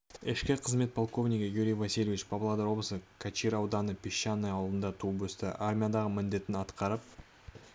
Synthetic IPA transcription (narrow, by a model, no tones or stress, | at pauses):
ɪʃkʲɪqʰəzme̞t̪̚pʰolˠko̞vnʲikʲəjuɾʲijvasijlʲevit͡ʃbʰɑblˠɑd̪əɾwo̞blˠəsəkʰat͡ʃijɾɑwd̪ɑnəpʰʲiʃːanːɑjɑlˠd̪ənd̪ɑt̪ʰubɵst̪ɪ̰ʔarmʲijad̪ɑʁəmɪnd̪e̞t̪ɪnɑt̪qɑɾəp̚